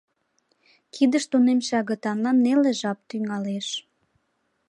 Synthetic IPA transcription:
kʰid̪əʃt̪unemʃɑɣə̆t̪ɑnlɑnːeleʒɑp̚t̪yŋɑleʃ

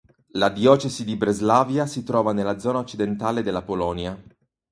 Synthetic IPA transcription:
lad̪jɔːt͡ʃezid̪ibɾezlaːvjasit̪ɾɔːvanelːad̪zɔːnaot͡ʃːid̪ent̪aːled̪elːapolɔːnja

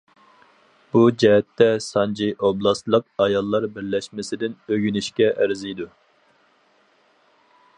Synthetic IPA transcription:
b̥ud͡ʒɛɦɛt̪ːɛsɑnd͡ʒiʔoblˠɑslˠəq̚ɑjɑlˠːɑɾbɪɾlɛʃmɪsɪd̪ɪnøɡʲynyʃkʲɛʔæɾzijd̪u

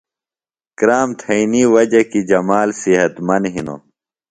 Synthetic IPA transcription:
kɾaːmt̪ʰɐiniwɐd͡ʑɐkid͡ʑɐmaːlsiɦɐt̪mɐnɦino̰ː

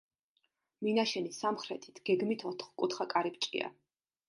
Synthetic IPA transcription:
minaʃɛnisamχɾɛt̪ʰi̥t̪ʰɡ̥ɛɡmit̪ʰɔt̪ʰχkʼut̪ʰχakʼaɾipt͡ʃʼḭa̰

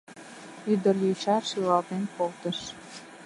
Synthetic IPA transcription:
yd̪ə̆rjuɕɑʃilɑlt̪enkolt̪ə̆ʃ

